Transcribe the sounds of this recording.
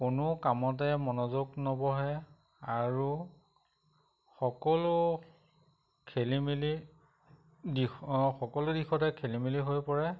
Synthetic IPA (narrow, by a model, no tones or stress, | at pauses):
kʊnʊkamɔt̬ɛmɔnɔzoɡnobɔɦɛ | aɹu | xɔkɔlʊ | kʰelimili | dixɔkɔlʊdixɔtɛkʰelimiliɦojpɔɹɛ